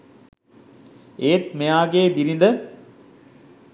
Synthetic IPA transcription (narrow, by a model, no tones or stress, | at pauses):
eːt̪̚mejaːɡeːbiɾind̪ə